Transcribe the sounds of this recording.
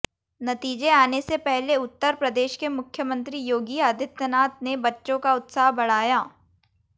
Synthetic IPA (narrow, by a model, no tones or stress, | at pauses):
nɐt̪iːd͡ʒeaːnesepɛɦleʊt̪ːəɾpɾɐd̪eːʃkemʊkʰːjəmə̃nt̪ɾijoːɡiaːd̪ʱɪt̪ənaːt̪̚nebɐtːʃõkaʊt̪saːɦbɐɽ̤aːjaː